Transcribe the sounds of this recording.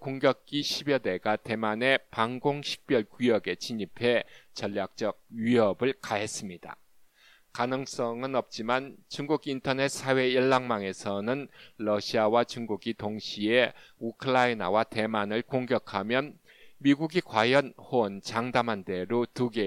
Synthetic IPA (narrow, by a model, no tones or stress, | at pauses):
koŋɡjʌk̚k͈iɕʰibjʌde̞ɡate̞mane̞paŋɡoŋɕʰi̥k̚p͈jʌɭkujʌɡe̞t͡ɕiɲipʰe̞t͡ɕʌʎːak̚t͡ɕ͈ʌɡ̚ɥiɦʌbɯɭkaɦe̞s͈ɯmɲid̥a̰ | kanɯŋs͈ʌŋɯnʌp̚t͡ɕ͈imant͡ɕuŋɡuɡintʰʌne̞t̚s͈ʰawe̞jʌɭːaŋmaŋe̞sʰʌnɯnlʌɕʰiawat͡ɕuŋɡuɡitoŋɕʰieukʰɯɾaina̰wate̞manɯɭkoŋɡjʌkʰamjʌn | miɡuɡikwajʌnhont͡ɕaŋdamɦande̞ɾotuɡe